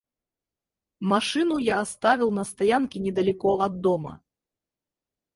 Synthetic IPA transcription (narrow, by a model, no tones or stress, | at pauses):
maʂɨnujaːst̪avʲiwnɐst̪ajankʲinʲɛd̪ɐlʲikɔɐd̪ːɔmɐ̰